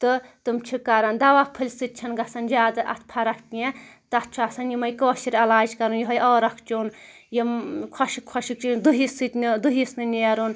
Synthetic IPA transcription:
t̪ɨt̪ɨmt͡ʃʰikɐɾɐnd̪ɐʋapʰɨlʲsɨt̪̚t͡ʃʰɐnɡɐsɐnd͡ʒaːd̪ɨʔɐ̰t̪ʰpʰɐɾɐkkẽt̪ɐt̪̚t͡ʃʰuɐsɐnjimɐjkoːʃiɾɐlaːd͡ʒkɐɾunjiɦɐjɔːɾɐkʰt͡ʃuːn | jikʰɔʃikʰɔʃikt͡ʃund̪ɨɦisɨt̪ʲnid̪uɦisnɨneːɾun

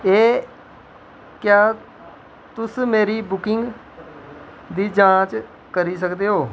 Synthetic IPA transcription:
eː | kjaː | t̪ʊsmeːɾiːbʊkɪŋɡ | d̪iːd͡ʒãːt͡ʃ | kəɾiːs̬əkd̪eːɦoː

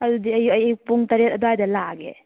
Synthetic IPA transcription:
ɐdudiɐjuɐjjupuŋtɐɾet̚ɐduajdɐlaɡḛ

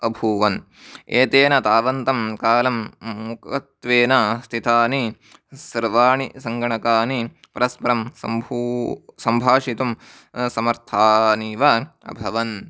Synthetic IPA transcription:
ɐbʱuːʋɐn | eːt̪eːnɐt̪aːʋɐnt̪ɐmkaːlɐmːukɐt̪ʋeːnɐst̪ʰit̪ʰaːni | sɐɾʋaːɳisɐŋɡɐɳɐkaːni | pɐɾɐspɐɾɐmsɐ̰mbʱusɐmbʱaːʂit̪um | sɐmɐɾt̪ʰaːniːʋɐɐ̰bʱɐʋɐn

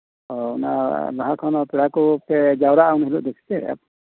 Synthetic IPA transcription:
ɔuna̰laɦakʰɔnɔpiɽakupɛd͡ʒawɾaunɦɛluʔd̪ɛkʰt͡ʃʰɛa̰p

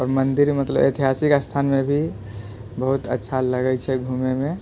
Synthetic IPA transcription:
ɔːɾmənd̪iɾmət̪ləbḛt̪iɦasikast̪ʰanmebʱi | bəɦut̪ətːʃʰaləɡɛt͡ʃʰɛɡʱumemẽ

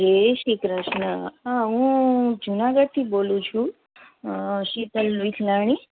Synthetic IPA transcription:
d͡ʒeʃikɾəʃnəaɦũd͡ʒunaɡəɽ̚t̪ʰibolũt͡ʃʰũ | ʃit̪əlʋit̪ʰlaɽ̃i

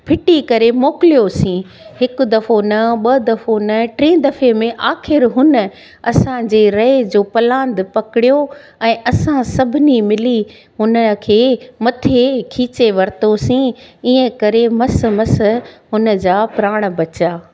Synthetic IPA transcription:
pʰɪʈikɐɾemoːkɪlijosĩ | ɦɪkʊd̪ɐfonɐɓɐd̪ɐfonɐʈɾĩːd̪ɐfemẽʔaːxɪɾɦʊnə̆ | ɐsãd͡ʑeːɾɐed͡ʑoːpɐlãːnd̪pɐkɪɽijo | ɛ̃ːʔɐsãsɐbʱɪnimɪli | ɦʊnəkʰeːmɐt̪ʰekʰiːt͡ɕeʋɐɾt̪osĩiːə̃kɐɾemɐsmɐs̆ɦʊnə̆d͡ʑaːpɾaːɽ̃bɐt͡ɕaː

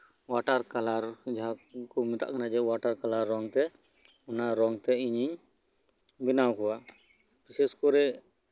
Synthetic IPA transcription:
waʈaɾkalaɾd͡ʒaɦakɔmit̪a̰ʔkanad͡ʒɛwaʈaɾkalaɾːɔŋt̪ɛ | ɔnaɾɔŋt̪ɛiɲiɲ | binawkɔwa | biseskɔɾɛ

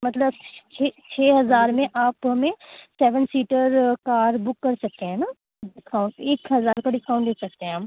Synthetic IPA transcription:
mɐt̪ləbt͡ʃʰet͡ʃʰeːɦɐzaːɾmẽʔaːpɦɐmẽsɛːʋənsiːʈəɾkaːɾbʊkːɐɾsɐk̚t̪eɦɛ̃ːnaː | ɖɪskaːʊ̃ɳʈeːkɦɐzaːɾkaɖɪskaːʊ̃ɳʈd̪eːsɐk̚t̪eɦɛ̃aːp

